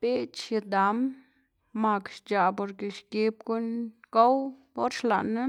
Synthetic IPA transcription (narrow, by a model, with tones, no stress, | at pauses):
b̥e˦t͡ʃi˧d̪a˨˦mː | a˨kʃt͡ʃa˨po˧ɾke˨ʃke˧p̚ɡu˦nɡo˦wbo˦ɾʃla̰˨na˦